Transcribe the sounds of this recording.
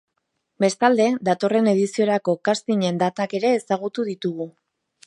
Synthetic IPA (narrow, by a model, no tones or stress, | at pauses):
be̞st̪ald̪e̞d̪at̪o̞re̞ne̞ð̞isioɾako̞kast̪iɲe̞nd̪at̪ake̞ɾe̞ːsaɣ̞ut̪uðit̪uɣu